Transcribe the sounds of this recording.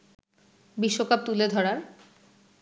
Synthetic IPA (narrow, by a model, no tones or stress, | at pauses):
biʃːokap̚t̪uled̪ʱɔɽaɾ